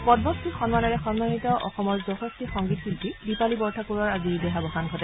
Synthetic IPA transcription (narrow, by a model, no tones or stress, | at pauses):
pɔdbɔstixɔnmanɔɹɛxɔnmanitɔʔɔ̰xɔmɔɹzɔtɔstixɔŋɡit̚kiltidipalibɔɹtʰakuɹɔɹaziɹdɛɦabʱɔxanɡʱɔtɛ